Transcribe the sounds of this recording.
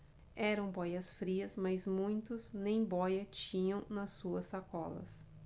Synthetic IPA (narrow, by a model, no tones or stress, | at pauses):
ɛɾɐ̃w̃bɔjɐsfɾiɐsmɐzmũj̃t̪ʊznẽj̃bɔjɐt͡ʃĩɲɐ̃w̃nɐsːuɐsːakɔlɐ̰s